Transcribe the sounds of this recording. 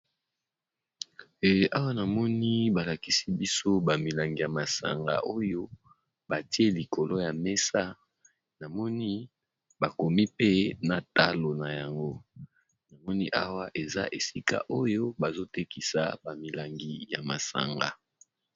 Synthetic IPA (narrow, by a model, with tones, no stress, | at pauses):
e˨ʔa˦wa˦na˨mɔ˦ni˦ba˨la˨ki˨˦si˦bi˦so˦ba˨mi˨la˨ŋɡi˨ja˨ma˨sa̰˨ŋɡa̰˨ʔo˦jo˦ | ba˨ti˦e˦li˨kʰo˨lo˦ja˨me˦sa˦ | na˨mɔ˦ni˦ | ba˨ko˨mi˦pe˦na˨ta˦lo˨na˨ja˨ŋɡo˦ | na˨mɔ˦ni˦ʔa˦wa˦ʔe˨za̰˦ʔe˨si˦ka̰˦ʔo˦jo˦ba˨zo˦te˦ki˨sa̰˨ba˨mi˨la˨ŋɡi˦ja̰˨ma̰˨sa̰˨ŋɡa̰˨